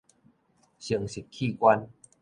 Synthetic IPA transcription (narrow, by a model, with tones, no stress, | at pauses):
ɕi˨˩əŋsi˨˩kkʰi˥˧˨kwa˧n